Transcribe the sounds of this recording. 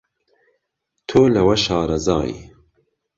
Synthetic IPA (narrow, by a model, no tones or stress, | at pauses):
t̪ʰoːlɐwɐʃɑːɾɐzɑ̰ːj̰